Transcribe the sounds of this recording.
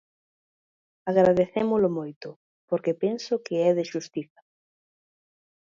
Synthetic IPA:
aɣɾaðeθemolʊmojt̪ʊ | poɾkepensʊkɪɛðɪʃust̪iθḁ

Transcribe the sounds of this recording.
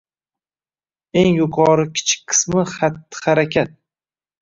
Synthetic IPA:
e̞ŋjʊqʰɒɾɪkʲʰɪ̥t͡ʃʰɪ̥k̚ʲqʰɨ̥smɪχat̪ːɪ̥χaɾakʲʰat̪̚

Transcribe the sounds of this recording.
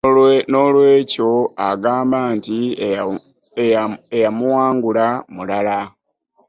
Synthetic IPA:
no̞ːlwe̞ːco̞aɡaːmbaːnti | eejamuwaːŋɡulamulala

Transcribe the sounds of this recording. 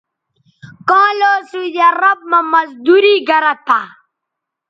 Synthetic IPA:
kɑ̃ːloːsujaɾɐb̚mɐmɐzd̪uɾiːɡɐɾat̪a

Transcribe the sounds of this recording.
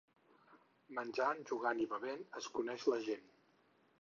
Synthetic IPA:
mənʲd͡ʒanʒuɣaniβəβenəskunɛʃləʒen

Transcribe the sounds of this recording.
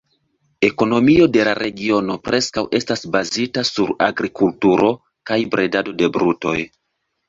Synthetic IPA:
e̞ko̞no̞mio̞de̞laɾʔe̞ɡio̞no̞pɾe̞skawʔe̞stasbazitasuɾa̰ɡɾikultuɾo̞ | kajbɾʔe̞dado̞de̞bɾuto̞̰j

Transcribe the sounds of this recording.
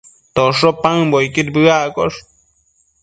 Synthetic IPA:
t̪oʂopãŋbojkiɾbɨakoʂ

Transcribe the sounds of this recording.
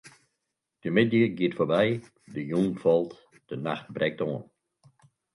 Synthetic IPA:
d̥əmɪdjəɡiətfoːbɛj | dəjuːnfɔlˠt | d̥əna̰xt̚brʔɛk̚tɔːən

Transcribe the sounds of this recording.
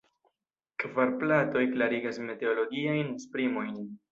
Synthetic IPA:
kvaɾplato̞jklaɾiɡasme̞te̞olo̞ɡiajnspɾimo̞jn

